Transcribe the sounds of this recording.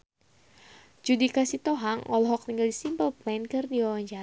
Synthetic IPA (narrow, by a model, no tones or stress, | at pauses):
d͡ʒudikasit̪oɦaŋɔlɦɔk̚t̪iŋɡaldisimpəlplankɨrdiawaɲt͡ʃa